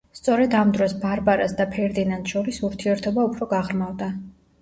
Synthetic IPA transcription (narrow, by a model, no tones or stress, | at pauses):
st̪sʼɔɾɛd̪amd̪ɾɔsbaɾbaɾasd̪apʰɛɾd̪inant̪ʃɔɾisuɾt̪ʰiɛɾt̪ʰɔbaupʰɾɔɡaʁɾmavd̪a